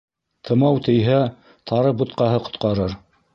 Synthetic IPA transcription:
t̪ʰɤ̆mɑwt̪ɘ̆jɦæ | t̪ʰɑɾɤp̚but̪̚qɑɦɤqŏ̥t̪qɑɾɤɾ

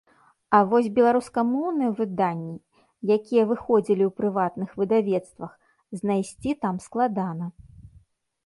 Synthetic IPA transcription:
ɐvɔsʲbʲɛlˠaɾuskɐmɔwnɨjɛvɨd̪anʲːi | jakʲijɐvɨxɔd͡zʲilʲiuwpɾɨvat̪nɨxvɨd̪avʲɛt̪st̪vɐx | znajsʲt͡sʲit̪amsklˠad̪anɐ

